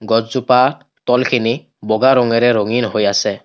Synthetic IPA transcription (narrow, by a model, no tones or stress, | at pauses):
ɡɔd͡ʒzupa | tɔlkʰini | bɔɡaɹɔŋɛɹɛɾoŋinɦojasɛ